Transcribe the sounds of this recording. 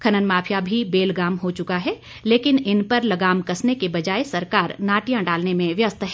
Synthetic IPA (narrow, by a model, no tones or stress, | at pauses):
kʰɐnənmaːpʰjabʱibeːlɡaːmɦot͡ʃʊkaɦɛ | leːkɪnɪnpɐɾlɐɡaːmkɐsnekebɐd͡ʒaːesɐɾkaːɾnaːʈijãɖaːlnemẽʋjɐst̪ʰɦ